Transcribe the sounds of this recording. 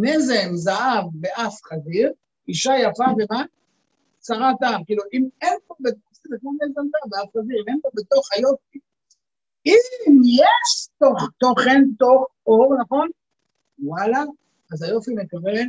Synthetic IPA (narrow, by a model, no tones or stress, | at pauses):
nezemzaʔavbeʔafχaziʁ | iʃajafaveman | saʁatamkiːluʔimenpobet̪osizekmonezemzaavbeafχaziʁimenpobeto̞χhajo̞fi | imjeʃtoχt̪oχento̞χoʁnaχo̞n | walaː | zajo̞fime̞kaven